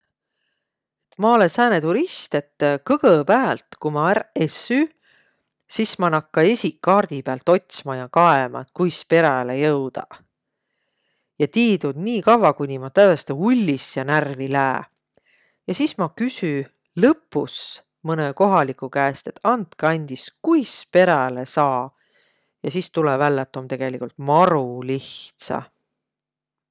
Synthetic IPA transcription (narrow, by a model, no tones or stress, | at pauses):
et̪ːˑmɑolesæːnet̪uɾist̪e̞t̪ːkɤɡ̥ɤpæːlt̪kumɑæɾesːy | sismɑnɑkːɑesʲikːɑːrd̪̥ipeælt̪o̞t̪ʲsmɑjɑkɑemɑ̰t̪kujspe̞ɾɑlejɤwd̪̥ɑ̰ | jɑt̪iːd̪ud̪niːkɑvɑkujnʲimɑt̪ævest̪eulʲːisjɑnærvilæː | jɑsismɑkysy | lɤpːus | mɤneko̞ɦɑlikukæest̪e̞t̪ɑnt̪kɑnʲd̪̥iskujspe̞ɾælesɑː | jɑsist̪ulɛvælːet̪ːˑomt̪e̞ɡ̥e̞likult̪mɑɾuliht̪sɑ̰